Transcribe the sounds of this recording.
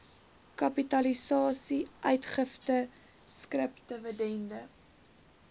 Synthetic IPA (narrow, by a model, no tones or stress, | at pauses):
kɐpitɐlisɑːsiʔœɥtχəftə | skrəptəvədɛndə